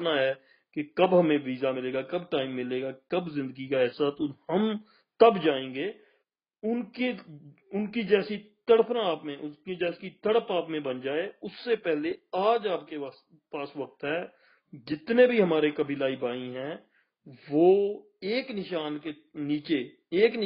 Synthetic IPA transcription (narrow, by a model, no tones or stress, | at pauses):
naɦɛː | kekɐbɦɐmẽʋiːzamɪleːɡakɐbʈaːɪmːɪleːɡakɐbzɪ̃nd̪əɡikaɛːsat̪ohɐm | t̪ɐbd͡ʒaːẽːŋɡeː | ʊnke | ʊnkid͡ʒɛːsit̪əɽpʰnãːpmẽʔʊskid͡ʒɛːsit̪əɽəpaːpmẽbɐnd͡ʒaːeʊsːepɛɦleaːd͡ʒaːp̚ke | paːsʋɐk̚t̪ɦɛː | d͡ʒɪt̪nẽbʱiɦɐmaːɾekɐbʱilaːibaːĩɦɛ̃ː | ʋoː | eːknɪʃaːnke | niːt͡ʃe | eːk